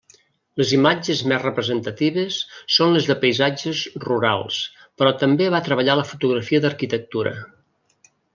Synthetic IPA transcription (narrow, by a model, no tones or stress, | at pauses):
ləzimad͡ʒəzmɛzrəpɾəzənt̪ət̪iβ̞əsːonləzðəpəjzad͡ʒəzruɾa̰lˠs | pɾɔt̪əmbeβat̪ɾəβəʎaləfut̪uɣɾəfiəd̪əɾkit̪ək̚t̪uɾə̰